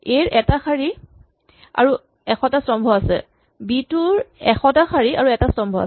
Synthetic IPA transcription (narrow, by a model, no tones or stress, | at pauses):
ejɹʔɛtaxʰaɹi | a̰ɹu | ɛxɔtasɹɔmbʱɔasɛ̰ | bituɹɛxʰɔtaxʰaɹia̰ɹuɛtasɹɔmbʱɔa̰s